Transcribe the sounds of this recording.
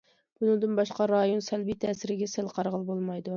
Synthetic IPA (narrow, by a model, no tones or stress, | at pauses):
b̥unɨŋd̪ɨnbɑʃqɑɾɑjonsɛlbit̪ʰɛːsɪɾɪɡʲɛsɪlqʰɑɾʁəlˠbolˠmɑjd̪u